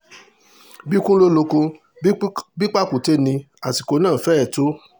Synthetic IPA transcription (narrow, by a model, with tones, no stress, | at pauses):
bi˦kũ˦lo˦lo˧ko˧˦ | bi˦k͡pa˦ku˨te˦nĩ˧ | a˨ti˨˧ko˧˦nãː˦˨fɛ˦ɛ˦˨to˨˦